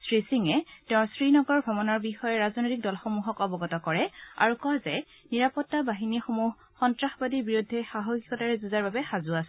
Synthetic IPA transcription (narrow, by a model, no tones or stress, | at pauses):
sɹisiŋɛtɛ̃ʊ̃ɹsɹinɔɡɔɹbʱɔbɔnɔɹbixɔjɛɹaznojtik̚dɔlxɔmuɦɔkɔbɔɡɔtɔkɔɹɛa̰ɹukɔzɛ | niɹapɔtːabaɦinixomuɦːɔntɹaxbadibiɹudʱːɛxaɦɔɡikɔtaɹɛzuzaɹbabɛxazuasɛ